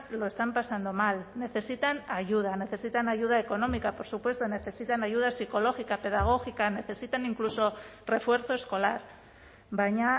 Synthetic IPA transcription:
lo̞e̞st̪ampasand̪o̞malne̞θe̞sit̪anaʝuð̞ane̞θe̞sit̪anaʝuð̞aeko̞nõ̞mikapo̞ɾsupwe̞st̪one̞θe̞sit̪anaʝuð̞asiko̞lo̞xikape̞ðaɣ̞o̞xikane̞θe̞sit̪aniŋkluso̞re̞fwe̞ɾθo̞e̞sko̞laɾ | baɲa

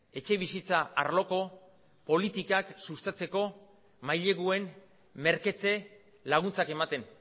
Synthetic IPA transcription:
e̞t͡ʃe̞β̞isit͡saʔa̰ɾlo̞ko̞ | po̞lit̪ikaksust̪at͡se̞ko̞ | majʎe̞ɣue̞n | me̞ɾke̞t͡se̞ | laɣ̞unt͡sake̞mat̪e̞n

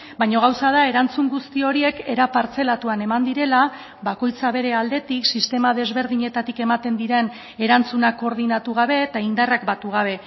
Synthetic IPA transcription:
bajɲo̞ɣ̞awsað̞ae̞ɾant͡suŋɡust̪io̞ɾie̞ke̞ɾapaɾt͡se̞lat̪uane̞mand̪iɾe̞la | βako̞jt͡saβ̞e̞ɾe̞ald̪e̞t̪iksist̪e̞mað̞e̞zβe̞ɾðiɲe̞t̪at̪ike̞mat̪e̞nd̪iɾe̞n | e̞ɾant͡sunakːo̞ɾðinat̪uɣ̞aβ̞e̞t̪aind̪arakbat̪uɣ̞aβ̞e̞

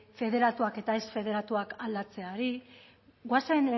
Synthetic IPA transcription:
fe̞ðe̞ɾat̪uake̞t̪ae̞sfe̞ð̞e̞ɾat̪uakald̪at͡se̞aɾi | ɡwasaen

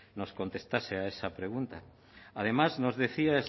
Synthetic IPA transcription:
noskont̪est̪aseaesapɾeɣunt̪a | að̞emaznozðeθiaes

